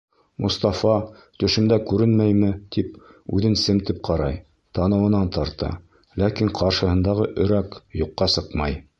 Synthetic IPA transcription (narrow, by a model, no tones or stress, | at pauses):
mʔṵst̪ɑfɑ | t̪ɵ̆ʃɘ̆md̪ækʉɾɘnmæjmɘt̪ipʉðɘnsɘmt̪ɘp̚qʰɑɾɑj | t̪ɑnɤ̆wɤ̆nɑnt̪ɑɾt̪ɑ̰ | lækiɴqʰɑɾʃɤ̆hɤ̆nd̪ɑʁɤʔɵ̆ɾækjuqːɑsɤqmɑj